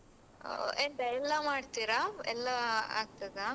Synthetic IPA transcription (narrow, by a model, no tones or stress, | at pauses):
end̪ɐɛlːɐmaːɖt̪iɾaɛ̰lːaa̰ːɡ̚t̪aːɡ̪a